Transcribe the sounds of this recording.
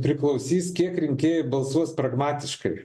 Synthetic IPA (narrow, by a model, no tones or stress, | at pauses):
pʲɾʲɪklˠɐʊsʲiːskʲiɛkɾʲɪŋʲkʲeːjɛbɐlˠsuɔspɾɐɡmɑːt̪ʲɪʃkɐɪ